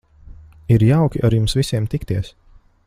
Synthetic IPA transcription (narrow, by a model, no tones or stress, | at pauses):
iɾjawkʲiʔaɾjumsvisiɛmt̪ikt̪iɛs